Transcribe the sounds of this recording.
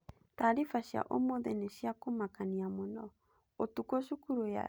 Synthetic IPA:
taɾifaʃja̰ʔo̰moðɛneʃiakomakaniamonɔ | otukoʃukuɾoja̰

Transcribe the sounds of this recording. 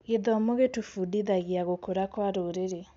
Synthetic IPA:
ɣeðɔmoɣetufudiðaɣjaɣokoɾakwaɾoɾeɾe

